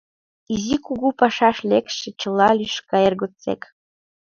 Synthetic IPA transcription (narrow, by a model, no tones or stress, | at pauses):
izikuɡupɑʃɑʃlʲekʃɘ̆t͡ɕɤ̆lˠːɑlʲyʃkɑjerɡot͡sḛk